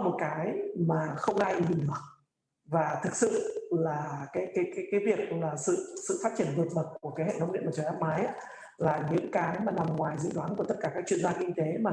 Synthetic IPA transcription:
mo˨˩t̚kaː˨˦jmaː˨˩xə˧wŋ͡mʔaː˧jʔi˧˩hi˨˩ŋɗɨ˨˩ək̚ | vaː˨˩t̪ʰɨ˨˩k̚sɨ̰˧˨laː˨˩kaː˨˦jkaː˨˦jkaː˨˦jkaː˨˦jvi˨˩ək̚laː˨˩sɨ̰˧˨sɨ̰˧˨faː˦˥t̚t͡ɕi˧˩ənvɨː˨˩t̚ɓə˨˩t̚ku˧˩əkaː˨˦jhḛ˧˨t̪ə˧˦wŋ͡mnḭ˧˨əməː˨˩t͡ɕːʔaː˦˥p̚maː˨˦jʔaː˧˦ | laː˨˩ɲɨ̰˧˥ŋkaː˨˦jmaː˨˩na˨˩mŋwaː˨˩jzɨ̰˧˨ɗwaː˨˦nku˧˩t̪ə˦˥t̚kaː˧˩kaː˦k̚t͡ɕwənzaː˧kï˧ŋ̟t̪e˨˦maː˨˩

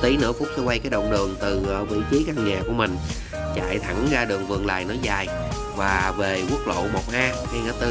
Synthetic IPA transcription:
t̪i˨˦nɨ̰˧˥əfk̚sa˧wa˧jkaː˨˦jɗə̰˧˨wŋ͡mɗɨ˨˩əŋt̪ɨː˨˩˨vḭ˧˥t͡ɕɨ˨˦jka˧ŋɲaː˨˩ku˧˩əmï˨˩ŋ̟ | t͡ɕa̰ː˧˨jt̪ʰa˧˩ŋzaː˧ɗɨ˨˩əŋvɨ̰˨˩əŋla̰ː˨˩jnɔ˨˦jzaː˨˩j | vaː˨˩ve˨˩ku˦˥ək̚lo̰˧˨mo˨˩t̚ʔaː˧ha˧jŋʔaː˧˦t̪ɨ˧

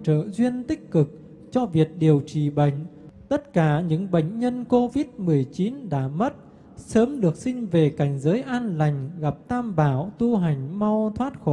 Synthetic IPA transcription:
t͡ɕə̰ː˧˨zwi˧ənt̪ï˦˥k̟̚kɨ˨˩k̚ | t͡ɕɔ˧vi˨˩ət̚ɗi˨˩əwt͡ɕi˧˩ɓə̰˧˨jŋ̟ | t̪ə˦˥t̚kaː˧˩ɲɨ̰˧˥ŋɓə̰˧˨jŋ̟ɲə˧nko˧vi˦˥t̚mɨ˨˩əjt͡ɕi˨˦nɗa̰ː˧˥mə˦˥t̚ | səː˨˦mɗɨ˨˩ək̚sï˧ŋ̟ve˨˩ka˨˩jŋ̟zəː˨˦jʔaː˧nla˨˩jŋ̟ɣa˨˩p̚t̪aː˧mɓaː˧˩wt̪u˧ɦa˨˩jŋ̟ma˧wt̪ʰwaː˦˥t̚xo˧˩

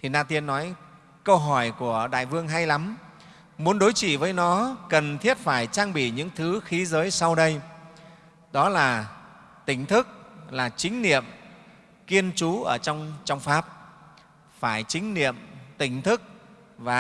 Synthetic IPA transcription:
t̪ʰi˨˩naː˧t̪i˧ənːɔ˨˦j | kə˧wɦɔ˧˩jku˧˩əɗa̰ː˧˨jvɨ˧əŋɦa˧jla˨˦m | mu˨˦ənɗo˨˦jt͡ɕḭ˧˨vəː˨˦jnɔ˨˦kə˨˩nt̪ʰi˦˥əp̚faː˧˩jt͡ɕaː˧ŋɓḭ˧˩ɲɨ̰˧˥ŋt̪ʰɨ˨˦xi˨˦zəː˨˦jsa˧wɗə˧j | ɗɔ˨˦laː˨˩ | t̪ï˧˩ŋ̟t̪ʰɨ˦˥k̚laː˨˩t͡ɕï˨˦ŋ̟nḭ˧˨əm | ki˧ənt͡ɕu˨˦ʔəː˧˩t͡ɕɔ˧wŋ͡mt͡ɕɔ˧wŋ͡mfaː˦˥p̚ | faː˧˩jt͡ɕï˨˦ŋ̟nḭ˧˨əmt̪ï˧˩ŋ̟t̪ʰɨ˦˥k̚ | vaː˨˩

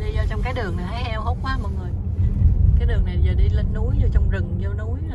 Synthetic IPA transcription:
li˧zɔ˧t͡ɕɔ˧wŋ͡mkaː˨˦jɗɨ˨˩əŋa˨˩ha˨˧˦jʔɛ˧wʔə˦˥wk͡p̚kwaː˨˦mɔ̰˨˩j̚ŋɨ˨˩əj | kaː˨˦jɗɨ˨˩əŋna˨˩jzɔː˧˩ɗi˧lə˨˦n̚nu˨˦jzɔ˧t͡ɕɔ˧wŋ͡mzɨ˨˩ŋzɔ˧nu˨˦j

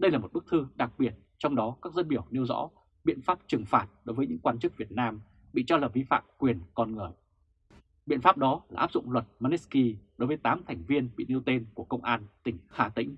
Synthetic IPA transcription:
ɗə˧jlaː˨˩mo˨˩t̚ɓɨ˦˥k̚t̪ʰɨ˧ɗa˨˩k̚ɓi˨˩ət̚ | t͡ɕɔ˧wŋ͡mɗɔ˨˦kaː˦˥k̚zə˧nɓi˧˩əwni˧wzɔ̰˧˥ | ɓḭ˧˨ənfaː˦˥p̚t͡ɕɨ˨˩ŋfaː˨˩t̚ɗo˨˦jvəː˨˦jɲɨ̰˧˥ŋkwaː˧nt͡ɕɨ˦˥k̚vi˨˩ət̚naː˧m | ɓḭ˧˨t͡ɕɔ˧laː˨˩vi˧fa̰ː˧˨mkwi˨˩ənkɔ˧nŋɨ˨˩əj | ɓḭ˧˨ənfaː˦˥p̚ɗɔ˨˦laː˨˩ʔaː˦˥p̚zʊ̰˧˨ŋ͡mlwə˨˩t̚ma˧ne˦˥ski˧ɗo˨˦jvəː˨˦jt̪aː˨˦mt̪ʰɛ˨˩jŋ̟vi˧ənɓḭ˧˨ni˧əwt̪e˧nku˧˩əkə˧wŋ͡mʔaː˧nt̪ï˧˩ŋ̟xaː˧˩t̪ḭ˧˥ŋ̟

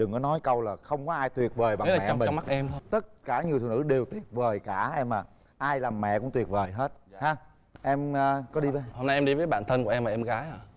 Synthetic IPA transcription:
ɗɨ˨˩ŋkɔ˨˦nɔ˨˦jkə˧wlaː˨˩xə˧wŋ͡mkɔ˨˦ʔaː˧jt̪wi˨˩ət̚vəː˨˩jɓa˨˦aː˨ɛ̰˧˨˧m˨˦ma˦˥k̚ʔɛ˧mt̪ʰo˧t̪ə˦˥t̚kaː˧˩ɲi˨˩ət̪ɨ̰˨˧˩nɨ̰˧˩ɗe˨˩wt̪wi˨˩ət̚vəː˨˩jkaː˧˩ʔɛ˧mːaː˨˩ | ʔaː˧jlaː˨˩mːɛ̰˧˨kʊ̰˧˥ŋ͡mt̪wi˨˩t̚vəː˨˩jɦe˦˥t̚haː˧ | ʔɛ˧məː˧kɔ˨˦ɗi˧vəː˨˦ho˧mna˧jʔɛ˧mɗi˧vəː˨˦jɓa̰ː˧˨nt̪ʰə˧nku˧˩ʔɛ˧mvaː˨ʔɛ˧mɣaː˨˦jaː˨˩

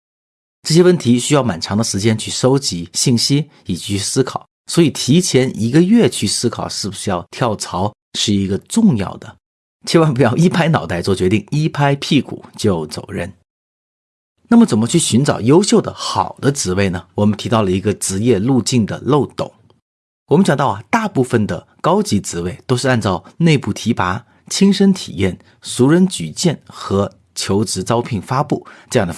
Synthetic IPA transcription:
ʈ͡ʂɤ˥˩ɕ̬jɛ˥wə˥˩nt̪ʰi˧˥ɕy˥jɑ˥˩ʊma˨˩nʈ͡ʂʰɑ˧˥ŋd̪ə˧ʂɻ̩˧˥t͡ɕjɛ˥nt͡ɕʰy˥˩ʂo˥ʊt͡ɕi˧˥ɕi˥˩ŋɕi˥ | i˨˩t͡ɕʰi˥˧sɹ̩˥kʰɑ˨˩˦swɔ˧˥i˨˩t̪ʰi˧˥t͡ɕʰjɛ˧˥nʔi˧˥ɡə˧ɥɛ˥˧t͡ɕʰy˥˩sɹ̩˥kʰɑ˨˩ʊʂɻ̩˥˩bu˧˩ʂɻ̩˧˥jɑ˥˧ʊt̪ʰjɑ˥˩ʊt͡sʰɑ˧˥ʊ | ʂɻ̩˥˩i˧˥ɡə˧ʈ͡ʂʊ˥˧ŋjɑ̰˥˩ʊd̪ə˩ | t͡ɕʰɛ˥wɑ˥˧ŋpu˧˥jɑ˥˩ʊi˥pʰa˥ɪnɑ˨˩ʊt̪a˥˧ɪt͡swɔ˥˩t͡ɕɥɛ˧˥t̪i˥˩ŋi˥pʰa˥ɪpʰi˥˩kʰṵ˨˩˦t͡ɕjo˥˩ʊt͡so˨˩ʊɻə̰˥˩n | na˥˩mə˩t͡sə˨˩nmə˦t͡ɕʰy˥˩ɕy˧˥nʈ͡ʂɑ̰˨˩ʊjo˥ʊɕjo˥˩ʊd̪ə̰˩xɑ˨˩ʊd̪ə˦ʈ͡ʂɻ̩˧˥we˥˩ɪnə˩wɔ˨˩mə˦nt̪ʰi˧˥t̪ɑ˥˩ʊlə˩i˧˥ɡə˧ʈ͡ʂɻ̩˧˥jɛ˥˧lu˥˧t͡ɕi˥˩ŋd̪ə̰˩lo˥˩ʊt̪ʊ̰˨˩˦ŋ | wɔ˨m˦˥nɕjɑ˨ŋt̪ɑ˥˩ʊa˨˩t̪a˥˧pu˥˩fə˩nd̪ə̰˩ | kɑ˥ʊt͡ɕi˧˥t͡sɻ̩˧˥we˥˩ɪt̪o˥ʂɻ̩˧a˥˧nt͡sɑ˥˧ʊne˥˧ɪpu˥˩t̪ʰi˧˥pa˧˥ | t͡ɕʰi˥ŋʂə˥nt̪ʰḭ˨˩jɛ̰˥˩n | su˧˥ɻə˧˥nt͡ɕy˨˩t͡ɕjɛ˥˩nxɤ˧˥ | t͡ɕʰjo˧˥ʊʈ͡ʂɻ̩˧˥t͡sɑ˥ʊpʰi˥˩ŋfa˥pu˥˩ʈ͡ʂɤ˥˧jɑ˥ŋd̪ə˩

